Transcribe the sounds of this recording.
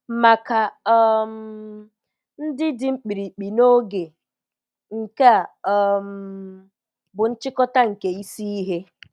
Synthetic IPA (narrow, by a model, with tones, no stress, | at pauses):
ma˨ka˨ɔ˨m̩˨˦ | n̩˦dɪ˦dɪ˨ŋ͡m̩˦k͡pi˨ɾi˨k͡pi˨no˦ɡe˨ | ŋ̩˨ka˦˨m̩˨ | bʊ˨n̩˦t͡ʃɪ˦kɔ˦ta˦ŋ̩˨ke˨i˦si˦i˦ɦe˦